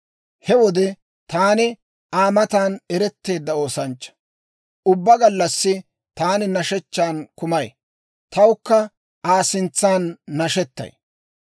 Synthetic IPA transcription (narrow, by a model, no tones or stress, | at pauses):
hɛwɔd̪ɛ | t̪aːnɪ | ʔaːmɐt̪aːnɛɾɛt̪ːe̞ːd̪ːɐo̞ːsɐnt͡ʃːɐ̥ | ʔʊbːɐɡɐlːɐsːɪ | t̪aːnɪnɐʃɛt͡ʃːaːnkʊmɐj | t̪ɐwʊkːɐ | ʔaːsɪnt͡sːaːnːɐʃɛt̪ːɐ̰j